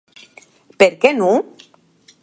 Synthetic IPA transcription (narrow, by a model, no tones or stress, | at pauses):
peɾkeno